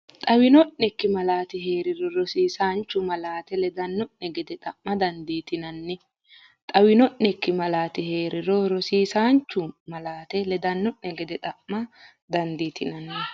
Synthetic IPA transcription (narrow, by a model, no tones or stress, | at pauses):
t̪ʼɐwɪnɔʔːɛkːɪmɐlaːt̪ɪɦe̞ːɾɪɾɔɾɔsiːsaːnt͡ʃːʊmɐlaːt̪ɛlɛd̪ɐnːɔʔnɛɡɛd̪ɛt̪ʼɐʔmɐd̪ɐnd̪iːt̪ɪnɐnːɪ | t̪ʼɐwɪnɔʔːɛkːɪmɐlaːt̪ɪhe̞ːɾɪɾɔɾɔsiːsaːnt͡ʃːʊmɐlaːt̪ɛlɛd̪ɐnːɔʔnɛɡɛd̪ɛt̪ʼɐʔːɐ | d̪ɐnd̪iːt̪ɪnɐnːɪ